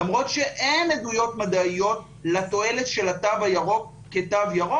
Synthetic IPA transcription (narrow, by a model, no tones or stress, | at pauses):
amʁo̞t̪ʃe̞ʔenedujo̞tmad̪aijo̞t̚ | lat̪o̞e̞letʃe̞lat̪avajaʁo̞k | ket̪avjaʁo